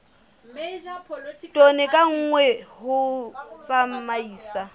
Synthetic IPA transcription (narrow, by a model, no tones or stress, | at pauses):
tʼɔnɪkʼaŋ̩ːŋwɛhʊt͡sʼammaiːsa